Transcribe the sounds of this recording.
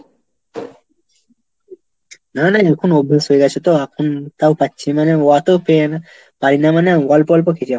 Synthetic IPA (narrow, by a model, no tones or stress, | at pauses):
nanaɛkʰunobʱːasɦojɡat͡ɕʰet̪oakʰunt̪awpatːɕʰimaneɔat̪opena | paɾinamaneɡɔlpɔlp̬ɔkʰet͡ɕʰia